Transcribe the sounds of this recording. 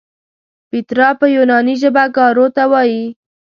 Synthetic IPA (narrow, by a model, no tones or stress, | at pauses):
bit̪ɾɑpəjunɑniʒəbaɡɑɾot̪awɑji